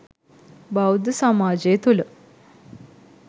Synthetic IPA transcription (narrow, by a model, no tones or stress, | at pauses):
bawd̪samad͡ʑet̪ulə